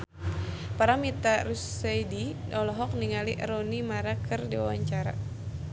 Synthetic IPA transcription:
paɾamit̪arusajdinɔlɔɦɔk̚niŋaliʔɾonimaɾakʰɨrdiwa̰wa̰ɲt͡ʃaɾa̰

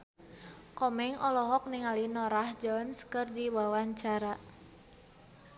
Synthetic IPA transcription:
kɔmɛŋɔlɔɦɔk̚niŋalinɔɾahd͡ʒɔnskərdiwawaɲt͡ʃaɾa

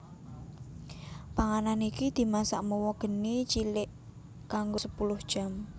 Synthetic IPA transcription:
paŋananikid̪̥i̤masa̰ʔmuwɔɡ̥ə̤nit͡ʃilɪʔ | kaŋɡosəpulʊhd̥ʒ̥a̤m

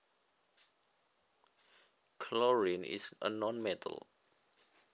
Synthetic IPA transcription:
kʰlɔɹĩnḭsə̰nɔ̃nmɛtʰə̰lˠ

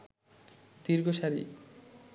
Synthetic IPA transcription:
d̪̥iɾɡoʃaɾḭ

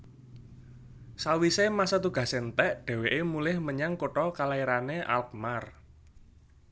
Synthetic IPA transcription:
sawisemasat̪uɡ̥ä̤sent̪ɛʔɖ̪̥ɛ̤weʔemulɪhməɲaŋkoʈɔkalaiɾaneʔa̰lk̚mar

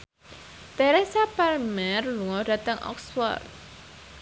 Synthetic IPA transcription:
t̪ɛɾɛsapɛrmɛrluŋɔd̥a̤t̪əŋʔɔ̰ksfɔ̰rt̪̚

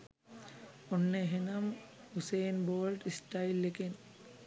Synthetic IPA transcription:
ɔnːeɦenam | husejnbɔlʈistajlːeken

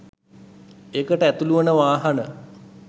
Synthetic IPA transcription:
ekəʈəæt̪uluʋənəʋaːɦanə

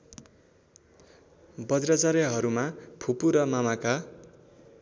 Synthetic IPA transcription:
bʌd͡zrʌd͡zaɾjʌɦʌɾumapʰupuɾʌmamaka

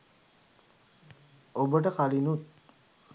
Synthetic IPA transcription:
obəʈəkalinut̪̚

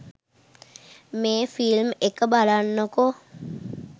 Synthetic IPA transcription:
meːfilmekəbalanːoko

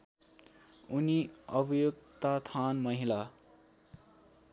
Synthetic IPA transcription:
uniʌbʌjokt̪at̪ʰanmʌɦila

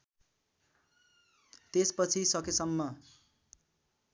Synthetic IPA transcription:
t̪espʌt͡sʰisʌkesʌmːʌ

